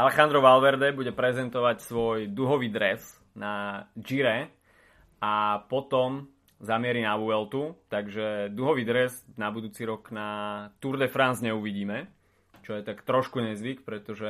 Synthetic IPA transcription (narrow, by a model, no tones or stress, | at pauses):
ʔalɛxand̪ɾɔʋalʋɛɾd̪ɛbuɟɛpɾɛzɛnt̪ɔʋacsʋɔjd̪uɦɔʋid̪ɾɛs | nad͡ʒiɾɛ | apɔt̪ɔm | zamɪɛɾinaʋuɛlt̪ut̪aɡʒɛd̪uɦɔʋid̪ɾɛznabud̪uːt͡siɾɔknat̪uɾd̪ɛfɾanzɲɛuʋiɟiːmɛ | t͡ʃɔjɛt̪akt̪ɾɔʃkuɲɛzʋikpɾɛt̪ɔʒɛ